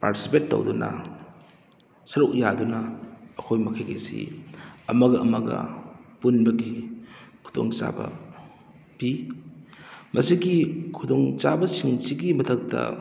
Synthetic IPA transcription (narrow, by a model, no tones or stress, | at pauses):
paɾtisipetːo̰wdunʔɐ̰ | sɐɾuk̚jadunɐːkʰojmɐkʰajɡesḭɐmɐɡɐɐmɐɡɐ̰punbɐɡikʰu̥doŋt͡ʃa̰bɐ | pi | mɐsiɡikʰudoŋt͡ʃabɐsiŋsiɡimɐtʰɐk̚tɐ̰